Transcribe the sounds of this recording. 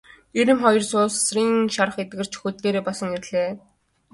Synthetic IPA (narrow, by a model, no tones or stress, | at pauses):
eɾɘ̆mχɔjɞ̆rsʊːssriːŋʃaɾə̆χet̪̚ɡɘ̆r̥t͡ɕʰxuːt̪ːeːɾeːpɔsɞ̆ŋerɮeː